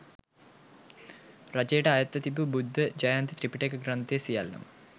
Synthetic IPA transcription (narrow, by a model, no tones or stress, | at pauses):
rad͡ʒejəʈəajət̪ːət̪ibubud̪ʱːəd͡ʒajant̪it̪ripiʈəkəɡrant̪ejəsija̰lːɐ̰mə